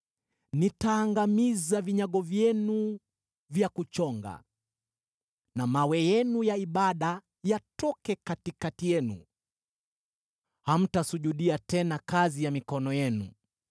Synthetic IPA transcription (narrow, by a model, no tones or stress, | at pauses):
nitaːŋɡamizaviɲaɠɔvjɛnu | vjakut͡ʃɔŋɡa̰ | namawɛjɛnujaiɓaɗa | jatɔkɛkatikatijɛnṵ | ham̩tasuʄuɗiatɛnakazijamikɔnɔjɛnṵ